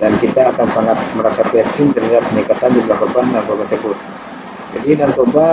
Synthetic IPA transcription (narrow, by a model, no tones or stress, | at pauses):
dankit̪aːkansaŋat̪̚məɾasapiɛst͡ʃɪŋt̪ərhadap̚ːənikat̪andibəlahkɔrbandaŋkɔrbansəbut̪̚ | d͡ʒadidaŋt̪oba